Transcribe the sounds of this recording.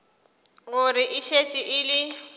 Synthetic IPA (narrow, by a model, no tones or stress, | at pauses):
ɣʊɾɪʔɪʃet͡ʃʼiʔɪlɪ